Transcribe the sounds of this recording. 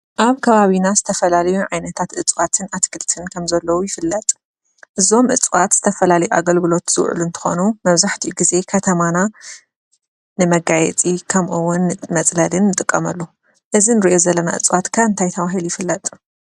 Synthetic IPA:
ʔaβkʰɐβaβinazɨt̪ʰɐfɐlalɐjuʕajnɐt̪ʰat̪ʔɨt͡sʼwat̪ʰɨnat̪ɡʰɨlt̪ʰɨnkʰɐmzɐlːɐwujɪfɨlːɐt̪ʼ | ʔɨzo̞mʔɨt͡sʼwat̪z̥ɨt̪ʰɐfɐlalɐjua̰ɡɐlɡɨlo̞t̪z̥ɨw̰ʕ̰lunt̪ʰɨ̥xo̞̰numɐβzaħt̪ʰiuɡize̞kʰɐt̪ʰɐmana | nɨmɐɡajɛ̰t͡sʼikʰɐmʔuwːʊnːmɐt͡sʼlɐlɨnːɨt̪ʼɨkʼːɐmɐlːu | ʔɨzinɨɾiʔo̞zɐlːɐna̰ʔɨ̰t͡sʼwat̪kʰaɨnt̪ʰajt̪ʰɐβaɦilujɪfɨlːɐt̪ʼ

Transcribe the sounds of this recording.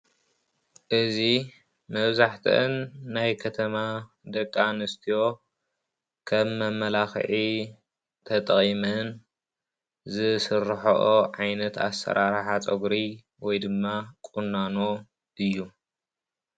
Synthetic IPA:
ʔɨzi | mɐβzaħt̪ʰɨʔɨnːajkʰɐt̪ʰɐma | d̪ɐkʼːanɨst̪ʰijo̞ | kʰɐβːɐmːɐlaxʕi | t̪ʰɐt̪ʼχʼimɐn | zɨsɨrħɐ̰ʔoʕajnɐt̪a̰sɐ̰ɾʔaɾħat͡sʼɐɡɾi | wɔjd̪ɨmːakʼunːano | ɨjːu

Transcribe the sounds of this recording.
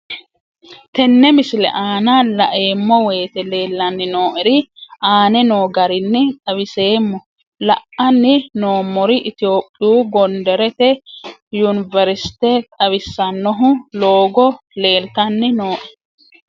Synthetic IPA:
t̪ɛnːɛmɪsɪlɛ̰ʔaːnɐlɐ̰ʔeːmːɔweːt̪ɛle̞ːlːɐnːɪnoːʔɛɾɪʔaːnɛnoːɡɐɾɪnːɪt̪ʼɐβɪse̞ːmːɔ | lɐ̰ʔɐnːɪno̞ːmːɔɾɪʔɪt̪ɪo̞ːpʼːɪjuːɡɔnd̪ɛɾɛt̪ɛjunɪvɛɾsɪ̥t̪et̪ʼɐβɪsːɐnːɔɦʊlo̞ːɡɔ | le̞ːlt̪ɐnːɪno̞ːʔɛ

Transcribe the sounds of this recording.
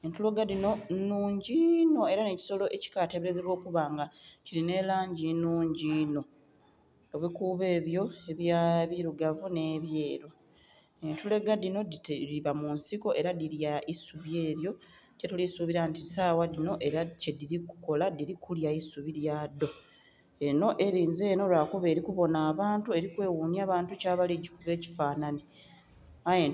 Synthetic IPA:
e̞ntule̞ɡadino̞nuːɲɟino̞e̞ɾane̞ci̥so̞lo̞ʔe̞ci̥kaːte̞βeɾezeβwo̞ːkuβaːŋɡaciɾine̞laːɲɟinuːɲɟino̞ | oβikuːβe̞ːβjo̞e̞βjaβiɾuɡavune̞ːβje̞ːɾo | e̞ntule̞ɡadino̞diβamunsiko̞ʔe̞ɾadiɾjaisuβje̞ːɾjo̞ | cetulisuβiɾantisaːwadino̞ʔe̞ɾacediɾiku̥ko̞ladiɾikʰuljaisuβiɾjadːo̞ | eno̞ʔe̞ɾiːnze̞ːno̞lwakoβe̞ːɾikuβo̞naːβaːntue̞ɾikwe̞ːwuːniaːβaːntucaːβaliɟikuβe̞ːci̥faːnane | ae

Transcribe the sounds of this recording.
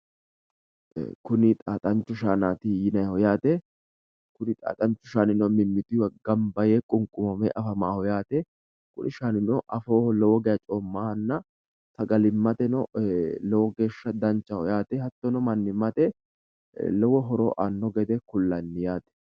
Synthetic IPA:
kʊnɪt̪ʼaːt̪ʼɐnt͡ʃːʊʃaːnaːt̪ɪjɪnɐjhɔjaːt̪ɛ | kʊnɪt̪ʼa̰ːt̪ʼɐnt͡ʃːʊʃaːnɪnɔmɪmːɪt̪ɪwɡɐmbɐjekʼʊŋkʼʊmɔmɛʔɐfɐmaːhɔjaːt̪ɛ | kʊ̰nʔɪʃaːnɪnɔʔɐfoːlɔwɔɡɛjɐt͡ʃʼoːmːaːhɐnːɐ | t̪ɐɡɐlɪmːɐt̪ɛnɔlɔwɔɡe̞ːʃːɐd̪ɐnt͡ʃːɐhɔjaːt̪ɛhɐt̪ːɔnɔmɐnːɪmːɐt̪ɛ | lɔwɔɦɔɾo̰ːʔaːnːɔɡɛd̪ɛkʊlːɐnːɪjaːt̪ɛ̥

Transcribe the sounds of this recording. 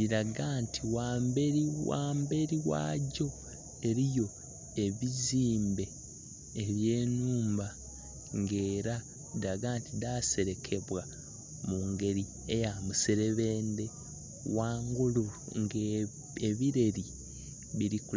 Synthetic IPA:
iɾaɡaːntʰiwambeɾiwa̰ːmbe̞ɾiwa̰ːɟo̞ | e̞ɾijo̞ | e̞βiziːmbe̞ː | βje̞ːnuːmba | ŋɡeːɾa | iɾaɡaːntidase̞ɾe̞kʰe̞βwa | muŋɡe̞ɾi | ejamuseɾe̞βe̞ːnde̞ | waːŋɡuluŋɡ | eβiɾe̞ɾi | βiɾikul

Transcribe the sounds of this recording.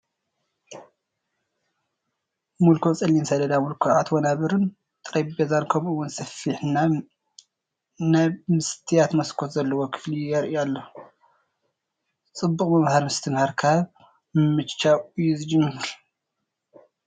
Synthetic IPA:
mulkʰot͡sʼɐlːinsɐd̪ɐd̪amulkʰuʕat̪wonaβɨɾɨn | t̪ʼɨɾajbezankʰɐmɨwːʊnsɐfiħna | nmɨst̪ʰijat̪mɐskʰot̪zɐlːɐwokʰɨ̥flijɛɾʔjalːo | t͡sʼɨbːukʼmɐmhaɾmɨst̪ʰɨmhaɾkʰaβ | mɨmɨt͡ʃːaujːuzɨd͡ʒɪnːɨɨɾ

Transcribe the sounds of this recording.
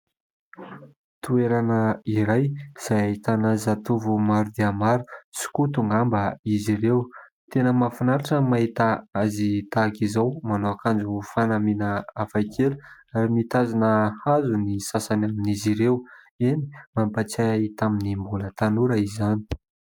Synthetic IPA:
t̪ueɾanəiɾajz̥ajaɦit̪anəzat̪uvumaɾud̪iamaɾusi̥kut̪uŋɡambəizirewt̪enəmafinaɾaʈ͡ʂəmaɦit̪aazit̪akizawmanoakand͡ʒufanaminəafajkʰeluaɾimit̪azanəazunisasanaminiziɾew | eni̥mampat͡sait̪aminimbulət̪anuɾəizani̥

